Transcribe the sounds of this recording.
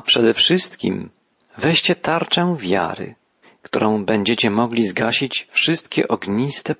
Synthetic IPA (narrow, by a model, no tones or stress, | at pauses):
pʂɛd̪ɛfʂɨst̪kʲḭm | vɛɕt͡ɕɛt̪aɾt͡ʂɛ̃wvʲja̰ɾɘ̰ | kt̪uɾɔ̃w̃bɛɲd͡ʑɛt͡ɕɛmɔɡlʲizɡaɕit͡ɕfʂɨst̪kʲɛ̰ʔɔɡɲist̪ɛ